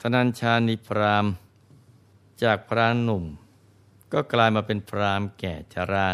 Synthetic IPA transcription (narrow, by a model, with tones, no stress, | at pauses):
t̪ʰa˧na˧nt͡ɕʰaː˧ni˦˥pʰɾaː˧˥m | t͡ɕaː˨˩k̚pʰɾaː˧˥nnːu˨˩m | kɔː˥˩klaː˧jmaː˧pe˧npʰɾaː˦˥mkɛː˨˩t͡ɕʰaː˧ɾaː˧˩